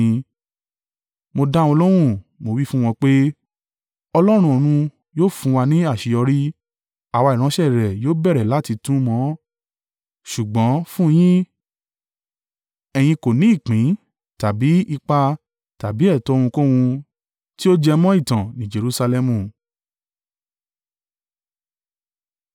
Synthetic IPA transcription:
mo˧da˦wɔ̃˧lɔ˦ɾ̃ũ˦˨mo˧wi˦fũ˦w̃ɔ̃˧k͡pe˦ | ɔ˧lɔ˦ɾ̃ũ˧o˧ɾ̃ũ˧ | joː˦˨fũ˨˧wa˧nĩ˦a˦˨ʃi˧ɔ˧ɾi˦ | a˨wa˧i˨ɾ̃ã˨˦ʃɛ˦˨ɾɛ˨joː˦bɛ˦˨ɾɛ˨la˨˦ti˧tũ˦mɔ̃˨˦ | ʃu˨ɡ͡bɔ̃˨˦fũ˦˧˦j̃ĩ˦ | ɛ˧j̃ĩ˧ko˨nĩ˨˦i˦˨k͡pĩ˨˦ | ta˨bi˨˦i˧k͡pa˧ | ta˨bi˨˦ɛ˦˨tɔ̃˨˧˦ũ˧kõ˦wũ˧ | ti˦o˦d͡ʒɛ˧mɔ̃˦i˦˨tã˨nĩ˨˦d͡ʒe˧ɾu˧sa˧lɛ˧mũ˨

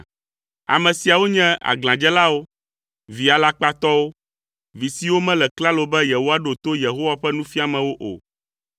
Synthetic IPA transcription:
a̰˨mɛ̃˨si˨a˨wo˦ɲɛ̃˦a̰˨ɡl̃ã˨d͡ʒɛ˦la˦wo˦ | vi˨a˨la˦k͡pa˦t̪ɔ˦wo˦ | vi˨si˦wo˦mɛ̃˦lɛ˨kla˦lo˨bɛ˦je˨wo˦wa˦ɖo˨t̪o˦je˨ɦo˦wa˦ɸɛ˦nũ˦fi˦a˨mɛ̃˨wo˦ʔo̰˨

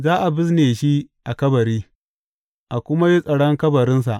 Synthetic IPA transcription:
zaː˦ʔa˨bɪ˦s̬neː˨ʃi˦ʔa˨kɐ˦bɐ˨ɾiː˦ | ʔa˨kʷʊ˦ma˦ji˦sʼɐ˨ɽɔ˦ŋkɐ˦bɐ˨ɾɪ˦ns̬a˨ʔ

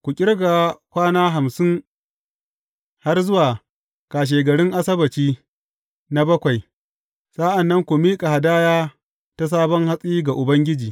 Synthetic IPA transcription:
kʷu˨kʲʼɪ˦rɡa˨kʷaː˦naː˦ɦa˨msɪ˦ŋ | ha˦rzʊ˦waː˨ | kaː˨ʃ̬eː˨ɡɐ˨ɽɪ˦ŋʔa˦sɐ˦bɐ˨t͡ʃiː˦ | na˦bɐ˦kʷa˨j | sʼa˦ʔa˨nːɐ˦ŋkʷu˨miː˦kʼa˨ha˨daː˦jaː˦ | ta˦s̬aː˦bɔ˦ŋha˦sʼiː˦ɡa˨ʔʊ˨bɐ˦ŋɡʲɪ˦d͡ʒiː˨

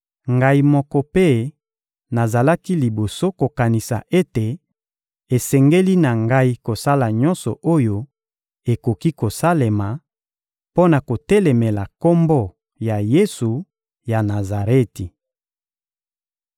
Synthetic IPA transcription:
ŋɡa˦i˦mɔ˦kɔ˦pe˦ | na˨za˨la˦ki˦li˨bo˨so˦ko˨ka˨ni˨sa̰˨ʔe˦te˨ | e˨sɛ˨ŋɡe˦li˦na˨ŋɡa˦i˦ko˨sa˦la˨ɲɔ˦nsɔ˨ʔo˦jo˦ | e˨ko˨ki˦ko˨sa˦le˨ma˨ | po˦na˨ko˨tɛ˦lɛ˨mɛ˨la˨ko˦mbɔ˦ | ja˨je˦su˨ | ja˨na˨za˨ʁe˦ti˨

